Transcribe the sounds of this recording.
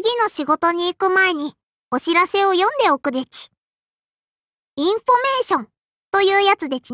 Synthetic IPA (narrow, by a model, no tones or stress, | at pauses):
ɡʲino̞ɕiɡo̞t̪o̞ɲ̟iːkɯ̟mae̞ɲ̟i | o̞ɕiɾase̞o̞jõ̞nd̪e̞o̞kɯ̟d̪e̞t͡ɕi̥ | ĩɰ̃ɸo̞me̞ːɕõ̞n | t̪o̞jɯːjat͡sɨd̪e̞t͡ɕi